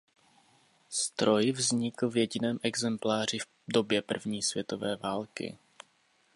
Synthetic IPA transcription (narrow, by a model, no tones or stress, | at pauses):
st̪ɾo̞jvzɲɪkl̩vjɛɟɪnɛːmʔɛɡzɛmplaːr̝ɪf | do̞bjɛpr̩vɲiːsvjɛt̪o̞vɛːvaːlkɪ̰